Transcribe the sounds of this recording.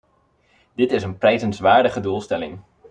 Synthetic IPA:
dɪtɪsənprɛjzənsʋaːɹdəχədulˠstɛlɪ̰ŋ

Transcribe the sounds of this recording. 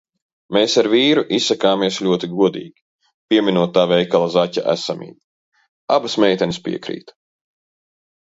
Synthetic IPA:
meːsaɾviːɾuʔisːakaːmiɛsʎʲuɔt̪iɡuɔd̪ḭːɡʲi | pʲiɛmʲinuɔt̪ːaːvɛjkalˠazacʲa̰ʔæ̰samḭːd̪ | abasmʲɛjt̪ʲɛnispʲiɛkɾḭːt̪

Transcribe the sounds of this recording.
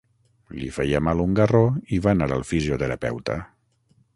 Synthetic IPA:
lifɛjəmaluŋɡəroiβanaɾəlˠfizijut̪əɾəpɛ̰wt̪ə̰

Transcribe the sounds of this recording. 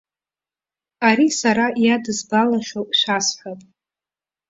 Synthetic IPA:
aɾisaɾajadɨzbalaʃᶣoʃʷasħʷᶣapʼ

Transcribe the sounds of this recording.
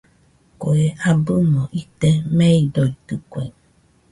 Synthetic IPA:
koeʔabɯmõʔit̪emeidoit̪ɯkʷḛiŋ

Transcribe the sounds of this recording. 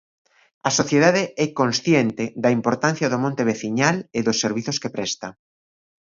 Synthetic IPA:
ɐsoθjeðaðeɛkonsθjent̪ɪðɐimpoɾt̪an̟θjɐðomõnt̪eβeθiɲaleðʊsːeɾβiθʊskepɾɛst̪ɐ

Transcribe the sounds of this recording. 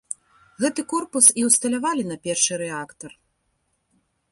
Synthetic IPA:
ɣɛt̪ɨkɔrpusiwst̪ɐlʲavalʲinɐpʲɛrʂɨɾɛakt̪ɐr

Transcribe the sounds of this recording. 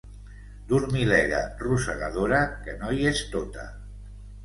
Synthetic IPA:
d̪uɾmilɛɣa̰rusəɣaðoɾakənɔjest̪ot̪a̰

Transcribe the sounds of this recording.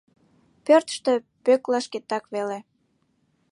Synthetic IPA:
pørt̪ə̥ʃt̪ø | pøklɑʃket̪ːɑkβele

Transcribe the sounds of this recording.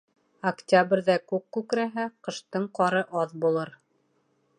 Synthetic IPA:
ɐktʲabrʲðækʉkːʉkɾæɦæqɤ̆ʃt̪ɤɴqɑɾɤʔɑðbulˠɤɾ

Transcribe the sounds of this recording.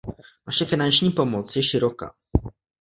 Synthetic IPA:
maʂɛfʲinanʲʂɲʲipɔmɔt̪sjeɕɘɾɔka̰

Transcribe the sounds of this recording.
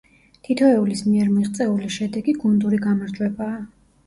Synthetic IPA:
t̪ʰit̪ʰɔɛulismiɛɾmiʁt̪sʼɛuliʃɛd̪ɛɡiɡund̪uɾiɡamaɾd͡ʒʼwɛbaː

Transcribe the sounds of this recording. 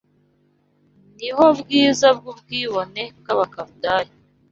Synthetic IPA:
niho̞bɡiːzab̚ɡub̚ɡiːβone̞bkaβakaβdaːji

